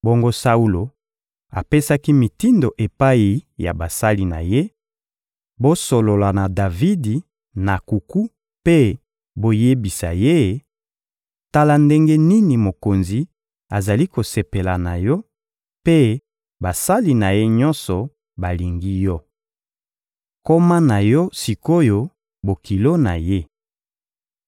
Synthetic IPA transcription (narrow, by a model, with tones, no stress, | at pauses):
bo˦ŋɡo˦sa˦u˦lo˨ | a˨pe˦sa˦ki˦mi˨ti˦ndo˨ʔe˨pa˦i˨ja̰˨ba˨sa˦li˨na̰˨je˦ | bo˦so˨lo˨la˨na˨da˨vi˦di˨ | na˨ku˨ku˦ | pe˦ | bo˦je˦bi˨sa̰˨je˦˨ | ta˦la˦nde˦ŋɡe˦ni˦ni˨mo˨ko˨nzi˨ | a˨za˨li˦ko˨se˨pe˨la˨na˨jɔ˦ | pe˦ | ba˨sa˦li˦na˨je˦ɲɔ˦nsɔ˨ | ba˨li˨ŋɡi˦jɔ˦ | ko˦ma˦na˨jɔ˦si˨ko˦jo˦ | bo˨ki˨lo˦na˨je˦